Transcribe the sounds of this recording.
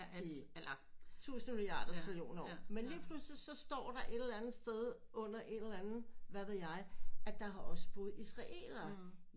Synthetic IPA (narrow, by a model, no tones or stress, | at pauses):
t͡sʰṵːsn̩miljɑ̰̈ːd̥ɐt͡sʰʁilijo̝̰ːnɒ̰menliːpʰluslisɒ̽sd̥ɒ̰ːɾ̥ɑ̈ʔe̝d̥l̩ænð̩ˠsd̥eð̞ˠ | ʔɔ̽n̰ɐʔe̝delænð̩ˠʋæʋe̝ðˠjɑ̈ɪæd̥ɑ̈ɦɑ̈ʔɒ̽sə̥b̥ɔ̽ːð̩ˠisʁɑ̈ʔe̝̰ːlɐ